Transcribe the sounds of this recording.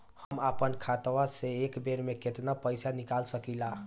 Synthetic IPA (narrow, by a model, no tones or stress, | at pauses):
həmapənkʰat̪ʋaseekbeɾmeket̪napəjsanikalsəkila